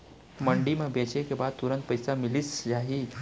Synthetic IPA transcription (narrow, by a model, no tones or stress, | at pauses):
məɳɖimabet͡ɕekĩʋat̪uɾənt̪̚pəjsamiliːsjaɦi